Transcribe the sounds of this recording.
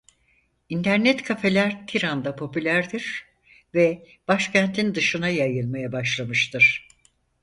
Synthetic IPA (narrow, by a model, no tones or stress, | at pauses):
int̪ʰæɾnɛt̪kʰafe̞lʲæɾt̪ʰiɾand̪apʰo̞pylʲæɾd̪iɾ̥ | vɛ | b̥aʃcʰænt̪ʰind̪ɯʃɯnajajɯlˠmajabaʃlˠamɯʃt̪ʰɯɾ̥